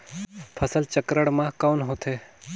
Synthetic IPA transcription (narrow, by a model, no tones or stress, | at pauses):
pʰəsəlt͡ʃəkɾəɽmãkaːnɦot̪ʰeː